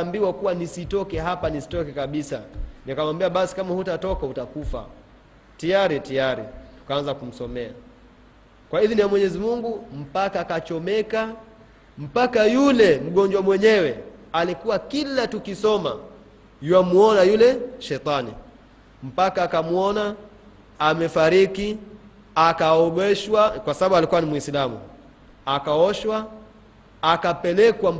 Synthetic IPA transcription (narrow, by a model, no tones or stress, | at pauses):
mbiwakuwanisitɔkɛɦapanisi̥tɔkɛkaɓisa̰nikamambiaɓasi̥kamahutatɔkautakufa̰ | tijaɾitijaɾitu̥kaanzakum̩sɔmɛa | kwahiðinijamwɛɲɛzimuŋɡum̩pakaːkat͡ʃɔmɛka | m̩pakajulɛm̩ɠɔɲd͡ʒwamwɛɲɛwɛalikuwakilatukisɔma̰ | jwamuɔnajulɛʃɛt̪ˤanḭ | m̩pakaːkamuɔna | amɛfaɾiki | akaɔɡɛʃwakwasaɓaɓualikuwanimwisilamṵ | akaɔʃwaː | kapɛlɛkwa